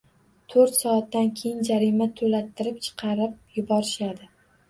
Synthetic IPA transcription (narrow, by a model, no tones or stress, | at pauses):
t̪ʰɵɾt̪sɒːt̪ːankʲʰe̞jɪnd͡ʒaɾimat̪ʰolat̪ʰːɪɾɪp̚t͡ʃʰɨ̥qʰɑɾɪp̚jʊbɒɾɪʃad̪ɪ